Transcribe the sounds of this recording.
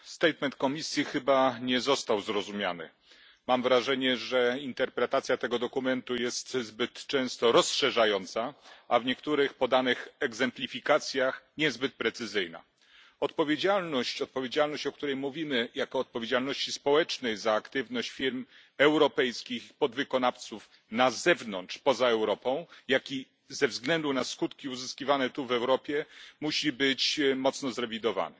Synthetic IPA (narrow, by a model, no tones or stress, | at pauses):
st̪ɛjt̪mɛnt̪̚kɔmʲisʲjixɘbaɲɛzɔst̪awzɾɔzumʲja̰nɘ̰ | mamvɾaʐɛɲɛʐɛint̪ɛɾpɾɛt̪at̪sʲjat̪ɛɡɔd̪ɔkumɛnt̪ujɛst̪zbɘt̪t͡ʂɛ̃w̃st̪ɔɾɔsʂɛʐajɔnt̪saʔavɲɛkt̪uɾɘxpɔd̪anɘxɛɡzɛmplʲifʲikat̪sʲjaxɲɛzbɘt̪̚pɾɛt̪sɘzɘjna̰ | ɔt̪pɔvʲjed͡ʑalnɔɕt͡ɕɔt̪̚pɔvʲjed͡ʑalnɔɕt͡ɕɔk̚t̪uɾɛjmuvʲimɘjakɔːt̪̚pɔvʲjed͡ʑalnɔɕt͡ɕispɔwɛt͡ʂnɛjzaːkt̪ɘvnɔɕt͡ɕfʲiɾm | ɛwɾɔpɛjskʲixpɔd̪vɘkɔnaft̪suf | nazɛvnɔntt͡ʂpɔzaɛwɾɔpɔ̃w̃jakʲi | zɛvzɡlɛnd̪unaskut̪kʲiuzɘskʲivanɛt̪uvɛwɾɔpʲjɛmuɕibɘt͡ɕmɔt̪snɔzɾɛvʲid̪ɔva̰nɛ